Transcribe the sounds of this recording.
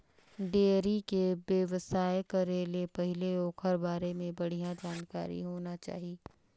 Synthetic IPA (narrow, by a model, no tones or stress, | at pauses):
ɖeːɾikebjeʋəsaːekɐɾeːlepɛɦɪleoːkhɐɾbaːɾemẽbɐɽ̤ijãd͡ʒaːnka̰ːɾḭɦoːnat͡ʃa̰ːɦieː